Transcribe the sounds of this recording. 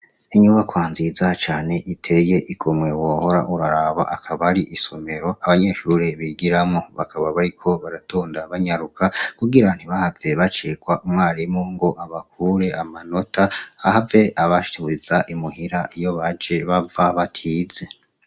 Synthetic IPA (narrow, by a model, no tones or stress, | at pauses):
iɲuβakwaːnzizat͡ʃaːne̞ʔitʰe̞je̞ʔiɡomŋe̞woho̞ɾa̰ʔuɾaɾaβa̰ʔakʰaβɾiʔiso̞me̞ɾo̞aβaɲe̞ʃuɾeβiɡiɾamŋoβa̰kʰaβaβaɾikʰo̞βaɾatoːndaβaɲaɾukakuɡiɾan̥hiβahave̞βat͡ʃeːkwaʔumŋaːɾimoŋɡo̞ʔaβakʰuːɾe̞amano̞tʰaahave̞ʔaβaʃi̥teβuɾizaʔimuhiɾaʔijo̞βad͡ʒe̞βavaβatʰize̞